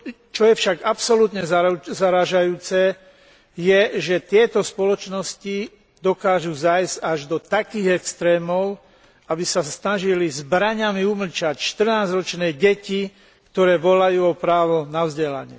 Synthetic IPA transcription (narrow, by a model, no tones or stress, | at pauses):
t͡ʃɔjɛfʃaɡapsɔlut̪ɲɛazaɾaːʒajuːt͡sɛ | jɛʒɛt̪ɪɛt̪ɔspɔlɔt͡ʃnɔsci | d̪ɔkaːʒuzajzɟaʒd̪ɔt̪akiːɣɛkst̪ɾɛːmɔʊ | abisasnaʒilizbɾaɲamiumlt͡ʃacʃt̪r̩naːd͡zɾɔt͡ʃnɛːɟɛci | kt̪ɔɾɛːʋɔlajuːɔpɾaːʋɔnaʊzɟɛla̰ɲɪɛ̰